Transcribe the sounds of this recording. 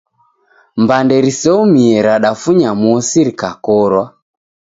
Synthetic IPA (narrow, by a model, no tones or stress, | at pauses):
mbandɛɾisɛumiɛɾaɗafuɲamɔɔsiɾikakɔɾwa